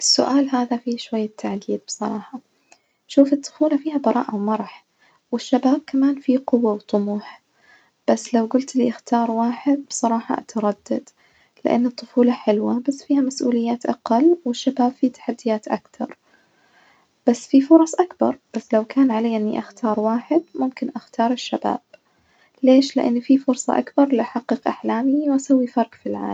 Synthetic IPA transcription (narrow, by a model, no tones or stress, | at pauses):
ʔɪsːʊ̰ʔaːlɦaːðafiʃwajːat̪ʰːaʕd̪iːd̪̚bsˤɑɾˤɑːħɑ | ʃuːfɨt̪ˤːʊ̥fuːlɑfiːhabɑɾˤɑ̰ːʔawmɑɾˤɑħ | wɪʃːabaːb̚kamaːnfiqʊwːawt̪ˤʊmuːħ | b̥asːlawɡʊlt̪lḭʔɪxt̪ʰɑːɾˤwaːħɪd̪̚bsˤɑɾˤɑːħɑ̰ʔa̰t̪ɑɾˤɑd̪̥ːad̪ | lɪ̰ʔa̰nːɨt̪ˤːʊfuːlɑħɪlwabasːfiːhamasʔuːlɪjːaːt̪ʔaqɑlːwɪʃːabaːbfit̪ḁħad̪ːɪjaːt̪ʔa̰kt̪ɑ̰ɾˤ | b̥asːfifʊɾˤɑsˤʔakbɑ̰ɾˤb̥asːlawkaːnʕalaːʔɪnːḭʔaxt̪ʰɑːɾˤwaːħɪd̪mʊmkɪnʔaxt̪ʰɑːɾˤɪʃːaba̰ːb̥ | leːʃlɪ̰ʔa̰nːfifʊɾsˤɑ̰ʔakbɑɾˤliʔaħaqːɨqʔaħlaːmiwʔasawːifɑɾˤqfilʕa̰ː